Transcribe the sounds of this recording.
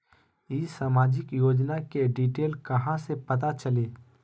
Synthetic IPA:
isaːmaːd͡ʒɪkjoːd͡ʒnakeɖiːʈeːlkɐɦãsepɐt̪at͡ʃɐleː

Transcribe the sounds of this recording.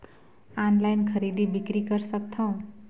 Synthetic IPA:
anlajnkʰʌɾid̪ibikɾikʌɾsʌk̚t̪ʰʌw̃

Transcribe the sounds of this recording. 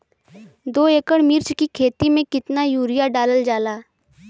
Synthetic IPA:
d̪oːeːkəɽmɪɾt͡ʃkikʰeːt̪imẽkɪt̪najuːɾɪjaɖaːləld͡ʒaːlaː

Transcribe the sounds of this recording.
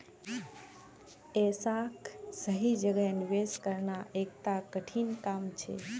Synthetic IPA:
esaksəɦid͡ʒəɡəjnʋeskəɾnaʔek̚t̪akəʈʰinkamt͡ʃʰḛ

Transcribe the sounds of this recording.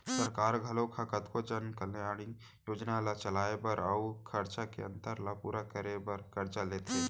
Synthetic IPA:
səɾkaːɾɡʱəlokʰakət̪kot͡ʃənkəlneaɽ̃i | joːd͡ʒnalat͡ʃəlaːepəɾaukʰəɾt͡ʃakeə̃nt̪əɾlapuːɾakəɾebəɾkʰəɾt͡ʃaleːt̪e

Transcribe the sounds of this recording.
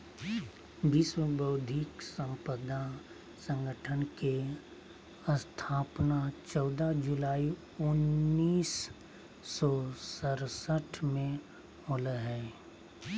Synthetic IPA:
biswəbəʊd̪ʱɪksə̃mpəd̪a | sə̃ŋɡəʈʰənke | ə̃st̪ʰaːpnat͡ʃɔːd̪ad͡ʒʊlaːi | ʊnːiːsː | ɔsəɾsəʈʰmẽ | moləɦɛː

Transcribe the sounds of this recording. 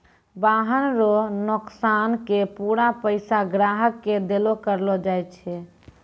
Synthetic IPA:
baɦənɾonoksankepuɾapəɪsaɡɾaɦəkːed̪elokəɾlɔd͡ʒajt͡ʃʰɛ

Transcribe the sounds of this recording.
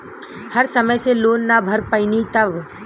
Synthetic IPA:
hɐɾsɐməjseloːnːabʱɐɾpəinit̪ɐʋ

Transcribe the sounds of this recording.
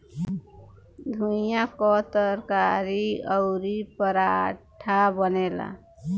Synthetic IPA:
d̪ʱujakɔt̪əɾkaɾiəʊɾipəɾaʈʰabənela̰

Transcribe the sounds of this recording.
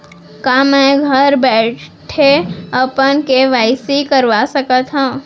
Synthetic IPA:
kaːmɛ̃ɡʱɐɾbɛːʈʰeɐpənkeʋaːɪsikəɾʋasəkət̪ɦãː

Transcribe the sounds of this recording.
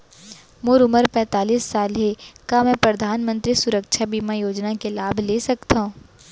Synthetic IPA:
moːɾʊməɾpɛ̃ːt̪aːliːsːaːlɦekamɛ̃ːpɾɐd̪ʱaːnmə̃nt̪ɾisʊɾəkʃʰabiːmajoːd͡ʒnakelaːbʱlesɐkt̪aɦũː

